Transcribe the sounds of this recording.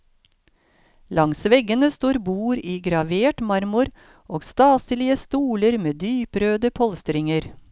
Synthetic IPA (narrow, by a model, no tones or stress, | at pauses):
lɑŋsʋɛɡənəst̪oːɾbuːɾiːɡɾɑʋeːʈmɑɾmʊɾ | ʔoːɡst̪ɑːsəlɪəst̪uːləɾmeːd̪yːpɾøːd̪əpʰɔlst̪ɾɪŋəɾ